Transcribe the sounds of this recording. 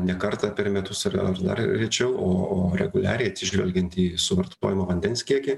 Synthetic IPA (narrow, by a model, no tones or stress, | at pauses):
nʲɛkɐɾt̪ɑpʲɛɾmʲɛt̪ʊsɐrɐ̰rd̪ɐ̰rɾʲɛt͡ʃʲɛʊoːoːɾʲɛɡʊlʲæ̰ːɾʲɛjɐt̪ʲsʲɪʒʲʋʲɛlʲɡʲɛnt̪ʲiːsʊʋɐɾtt̪oːjɪmoːʋɐnʲd̪ʲɛnsʲkʲiɛkʲɪ